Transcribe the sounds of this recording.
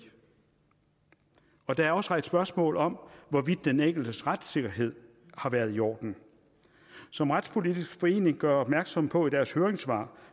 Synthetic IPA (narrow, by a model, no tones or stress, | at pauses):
ɒ̽d̥ɑ̈æɐɒ̽sʁad̥sb̥ɶɐsmɔ̰̽ːlɒ̽mʋɒʋid̥ːeneŋ̰ɡ̥l̩d̥əsʁad̥se̝ɡ̥ɐɦe̝ð̞̰ˠ | hɑ̈ʋæːɐðˠiɒ̰ːd̥n̩ | sɒ̽mʁad̥spʰo̝lid̥ʰisɡ̥fɒ̽e̝̰ːne̝ŋɡ̥ɶɐɒ̽b̥̚mæɐɡ̥sɒ̽m̰pʰɒ̽id̥æɐshøːɐʁeŋsʋɑ̰̈ː